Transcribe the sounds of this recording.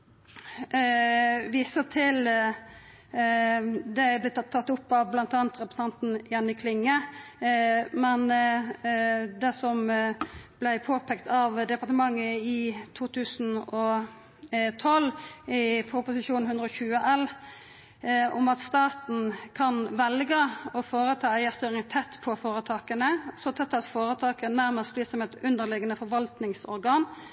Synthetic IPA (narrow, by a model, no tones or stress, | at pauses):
ʋiːsət̪ʰɪl | d̪ɛæb̪ɛt̪ːt̪ʰːɑt̪ːʊpːɑʋblɑnt̪ɑːnt̪ɾɛpɾsɑnt̪n̩jɑnːɪkʰlɪŋːə | mɛn | d̪ɛsɔm | b̥læɪpʰoːpʰɛkt̪ɑʋd̪ɛpɑʁt̪əmɑŋːəɪt̪ʰuːt̪ʰʉːsn̩ɔ | t̪ʰɔlɪpʰʊpʊsɪʃuːnhʉnd̪ɾəɔçʉːəʔɛl | ʊmɑt̪st̪ɑːt̪n̩kʰɑnʋɛlɡəɔfoːɾət̪ʰɑːæɪæɾst̪yːɾɪŋt̪ʰɛt̪ːpʰɔfoːɾət̪ʰɑːkənəsɔt̪ʰɛt̪ːɑt̪foːɾət̪ʰɑːkənənæɾməst̪̚bliːsɔmɛt̪ʉnd̪əɾlɪɡənəfɔɾʋɑlt̪nɪŋsɔ̰ɾɡɑːn